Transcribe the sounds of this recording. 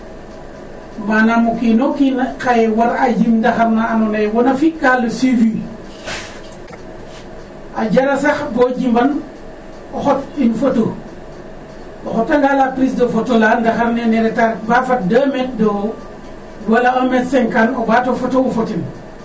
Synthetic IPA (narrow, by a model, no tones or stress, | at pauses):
manamukinokinkajewaɾad͡ʒimndaxaɾnaːnɔnejwɔnafikalːosivi | ʔaɟalasaxboɟimban | ɔxɔtinfoto | ɔxɔtaŋɡalapɾisdofotolandaxaɾneneɾɛtaɾbafat̚dɐmet̚do | ɡualaametsɛŋkanobatofotowofotin